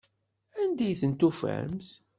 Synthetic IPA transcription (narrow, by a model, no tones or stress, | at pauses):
ænd̪æjθənt̪ufæ̰mθ